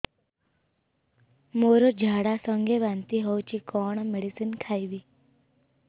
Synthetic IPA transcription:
moɾod͡ʒʱaɽasəŋɡʱeʋant̪iɦɔwt͡ʃikɔɽ̃meɽisinkʰajbi

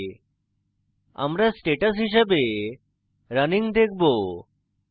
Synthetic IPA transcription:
a̰mɾasʈeʈəs̬ɦiʃ̬əbe | ɾəniŋd̪ek̚ʰbo

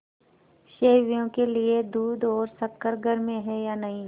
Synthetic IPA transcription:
ʃeːʋjõkelied̪uːd̪ɔːɾsɐkːəɾɡʱəɾmẽɦɛjaːnɐɦĩ

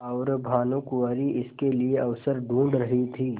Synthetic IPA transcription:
ɔːɾbʱaːnũkʊʋaːɾiʔɪskelieɐʋsəɾɖũːɳɖɾɐɦit̪ʰiː

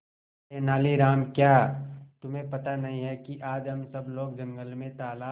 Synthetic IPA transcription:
enaːliɾaːmkjaːt̪ʊmɦẽpɐt̪anɐɦĩɦɛkiʔaːd͡ʒɐmsɐbloːɡ̚d͡ʒɐ̃ŋɡəlmẽt̪aːlaː

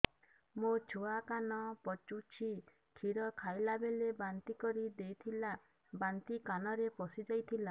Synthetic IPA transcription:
mot͡ʃʰuakanɔpɔt͡ʃut͡ʃʰi | kʰiɾɔkʰajlabelebant̪ikɔɾid̪ejt̪ʰila | bant̪ikanɔɾepɔsid͡ʒajt̪ʰila

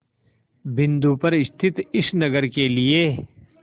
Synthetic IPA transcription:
bɪ̃nd̪uːpɐɾɪst̪ʰɪt̪ɪʃnɐɡəɾkelieː

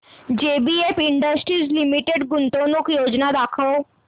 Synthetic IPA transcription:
d͡ʒeːbiepɪɳɖəsʈɾizlimiʈeɖɡʊnt̪onukjoːd͡ʒnad̪aːkʰəo

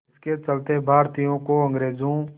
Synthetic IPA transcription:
ɪsket͡ʃəlt̪ebʱaːɾt̪ijõkoɐ̃ŋɡɾeːzõ

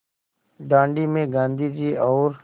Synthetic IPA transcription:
ɖãːɳɖiːmẽɡãːnd̪iːd͡ʒiːɔːɾ

